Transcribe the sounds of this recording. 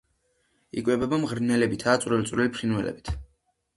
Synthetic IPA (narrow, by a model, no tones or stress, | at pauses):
ḭkʼwɛbɛbamʁɾnɛlɛbit̪ʰaːt̪sʼɾɛlt̪sʼwɾilipʰɾinwɛlɛ̰bi̥t̪ʰ